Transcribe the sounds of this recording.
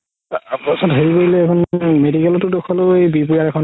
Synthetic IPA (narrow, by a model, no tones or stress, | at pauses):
bɔsɔtɦeɹipoɹilɛːkʰɔnmedikɛlɔtʊdukʰɔloejbipujaɹɛkʰɔn